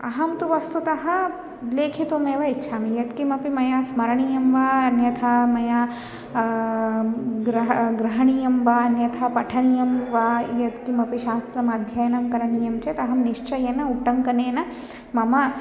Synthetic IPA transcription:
ɐ̰ɦɐmt̪uʋɐst̪ut̪ɐɦɐ̆ | leːkʰit̪oːmeːʋɐitːʃʰaːmijɐt̪kimɐpimɐjaːsmɐɾɐɳijɐmʋaːɐnjɐt̪ʰamɐjaː | ɡɾɐɦɡɾɐɦɐɳijɐmʋaːɐnjɐt̪ʰapɐʈʰɐɳijɐmʋaːjɐt̪kimɐpiʃaːst̪ɾɐmɐd̪ʱjɐjɐnɐmkɐɾɐɳijɐmt͡ʃet̪ɐɦɐmniʂt͡ʃɐjeːnɐuʈɐŋkɐneːnɐ | mɐmɐ

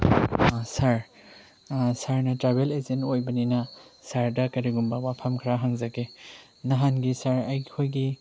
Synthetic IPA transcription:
sɐɾ | sɐɾnɐtɾabelezentojbɐninɐsɐɾdɐkɐɾiɡumbɐwapʰɐmkʰɾaɦaŋzɐɡe | nɐɦanɡisɐɾɐjkʰojɡi

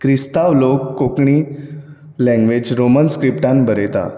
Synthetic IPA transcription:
kɾist̪aʋlokːokɳiː | lɛ̃ŋɡʋed͡ʑɾomənskɾipʈãnbəɾet̪a̰

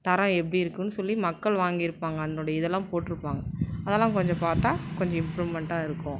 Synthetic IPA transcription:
t̪ɐɾɐ̃ɛpːɐɽiɪɾɯkːɯnːɯsɔlːimɐkːɐɭʋaːŋɡɪɪɾɯpːaːŋɡɐɐnnoːɽɐjɐɪðɛlːãːpoːʈːɪɾɯpːaːŋɡɐɐðɐːlːãːkɔɲd͡ʒɔ̃paːɾt̪aːkɔɲd͡ʒɔ̃ɪmpɾuːʋmɛɳʈaːɪɾɯkːʊ̃

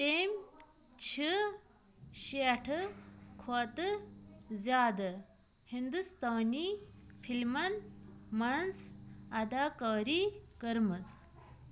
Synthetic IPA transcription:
t̪eːm | t͡ʃʰi | ɕeʈʰɨkʰoːt̪ɨ | zʲjaːd̪ɨ | hind̪ust̪aːniːpʰilmɐnmɐnzɐd̪aːkaːɾiːkəɾmɨt͡s

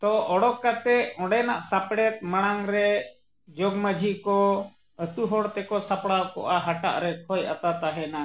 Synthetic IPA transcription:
t̪ɔʔɔɽɔkːat̪ɛɔ̃ɖɛnaʔsapɽɛt̪̚maɽ̃aŋɾɛ | d͡ʒɔɡməd͡ʒʱikɔ | ət̪uɦɔɽt̪ɛkɔsapɽakɔ̰ʔaɦaʈa̰ʔɾɛkʰɔjat̪at̪aɦɛna

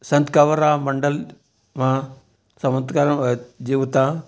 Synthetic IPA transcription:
sɐ̃nt̪kaʋəɾaːmɐɳɖəl | mã | sɐmɐnt̪kaɾəd͡ʑiʋt̪a

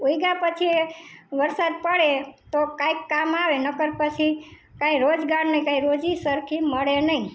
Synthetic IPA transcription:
oiɡapət͡ʃʰieʋəɾsad̪̚pəɽet̪okajkːamaʋenəkəɾpət͡ʃʰi | kãiɾod͡ʒɡaɾnəikãĩɾod͡ʒisəɾkʰiməɽenəɦĩ

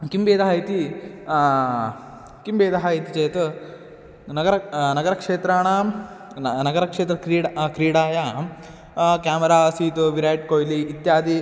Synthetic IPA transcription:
kimbeːd̪ɐɦajt̪i | kimbeːd̪ɐɦajt̪it͡ʃeːt̪ | nɐɡɐɾɐnɐɡɐɾɐkʂeːt̪ɾaːɳaː | nɐɡɐɾɐkʂeːt̪ɾɐkɾiːɽkɾiːɽaːjaː | kaːmɐɾaːsiːt̪uʋiɾaːjʈ̚koːjliːt̪jaːd̪i

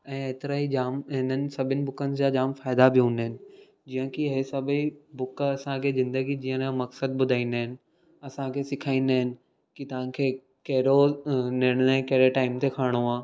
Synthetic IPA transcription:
ɛ̃ːeːt̪ɪɾaɦid͡ʑaːmɦɪnənɪ̆sɐbʱɪnɪ̆bʊkənɪ̆d͡ʑad͡ʑaːmfaːɪd̪abɪɦũːnd̪əɦɪnɪ̆ | d͡ʑiːə̃kiɦesɐbʱibʊkɐsãkʰezɪ̃nd̪əɡid͡ʑiːə̃nãmɐksəd̪̚bʊd̪ʱaːĩːnd̪aɦɪnɪ̆ | ɐsãkʰesɪkʰaːĩːnd̪aɦɪnɪ̆ | kit̪ɐʋ̤ãkʰeː | kɐɦɾoneɽ̃nɛ̃kɐɦɾeʈaːɪmt̪ʰekʰaːɽ̃oaː

